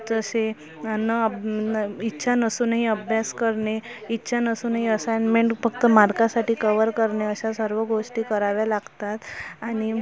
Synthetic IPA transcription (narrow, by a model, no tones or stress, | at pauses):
d͡zəse | nə | itːɕʰanəsuːnɦiəbʱjaskəɾɳeitːɕʰanəsuːnɦiəsajnmẽɳʈfəkt̪əmaɾkasaʈiːkəʋəɾkəɾɳeəɕasəɾʋəɡoʂʈiːkəɾaʋjalaɡt̪at̪aɽ̃i